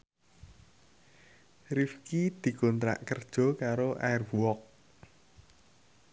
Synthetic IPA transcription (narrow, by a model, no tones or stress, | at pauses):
rifkid̪̥i̤kont̪ɾa̰ʔkərd̥ʒ̥ɔ̤kaɾoʔarvuwɔk̚